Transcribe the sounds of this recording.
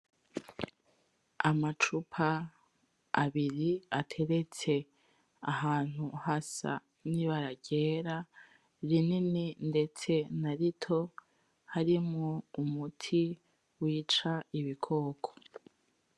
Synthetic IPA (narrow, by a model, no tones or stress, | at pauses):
amat͡ʃupʰaː | βiɾiatʰe̞ɾe̞t͡se̞ | a̰ɦaːn̥huhasa̰ | niβaɾaɟe̞ːɾa | ɾinininde̞t͡se̞naɾitʰo̞ | haɾimŋoumutʰi | wiːt͡ʃaiβikʰo̞ːkʰo̥